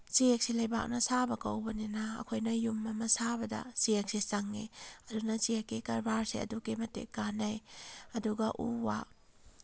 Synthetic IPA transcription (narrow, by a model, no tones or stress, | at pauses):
t͡ʃiek̚silɐjba̰k̚nɐsabɐkɐwbɐninɐɐ̰kʰojnɐjumːɐmɐsabɐdɐ̰siek̚sisɐŋːiɐdunɐt͡ʃiekːikɐɾbaɾseɐ̰dukemɐtḛkanajɐduɡɐʔuwa